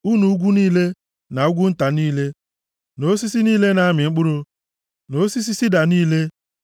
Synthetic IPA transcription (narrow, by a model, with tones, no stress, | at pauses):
u˦nu˨u˦ɡʷu˦niː˦le˦ | na˨u˦ɡʷu˦n̩˦ta˨niː˦le˦ | no˦si˦si˦niː˦le˦na˨˦mɪ˨ŋ͡m̩˦k͡pʊ˦ɾu˦ | no˦si˦s̬i˦si˦da˨niː˦le˦